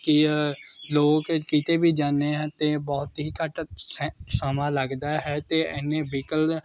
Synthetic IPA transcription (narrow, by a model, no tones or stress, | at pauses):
kɪ | loːkkiːt̪eːbiːd͡ʒaːneːɦɛ̃ːt̪eːbɔːt̪ɦiːkəʈssəmãːləɡd̪aːɦɛːt̪eːɛnːẽːbiːkəl